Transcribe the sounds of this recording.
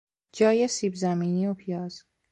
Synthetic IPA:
d͡ʒɒːjesiːbzæmiːniːopʰijɒːz̥

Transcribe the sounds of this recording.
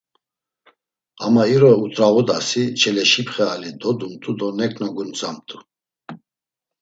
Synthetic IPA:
amaiɾɔut̪ʼɾaɣɔd̪asit͡ʃʰɛlɛʃipʰχɛalid̪ɔd̪umt̪ʼud̪ɔnɛkʼnɔɡunt͡sʼamt̪ʼu

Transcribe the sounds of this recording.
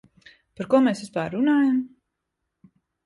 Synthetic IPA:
paɾkuɔmeːsispaːɾːunaːjam

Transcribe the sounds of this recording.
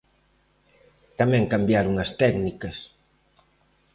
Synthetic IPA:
t̪amɛ̃ŋkambjaɾuŋɐst̪ɛknikɐs

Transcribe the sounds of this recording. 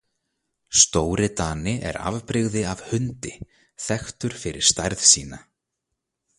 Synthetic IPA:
st̪oːwɾɪt̪aːnɪʔɛ̰ɾa̰vpɾɪɣðɪav̥hʏnt̪ɪ | θɛxt̪ʏɾ̥fɪɾɪ̥st̪ajɾθsiːna

